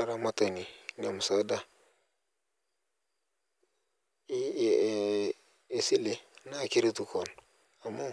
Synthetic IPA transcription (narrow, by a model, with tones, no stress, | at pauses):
a˦ɾa˦ma˦ta˨ni˨ɡa˨mu˨sa˨˦da˦˨ | si˦le˨na˦˨ki˦ɾi˦tu˦ko˨n | a˨ma˦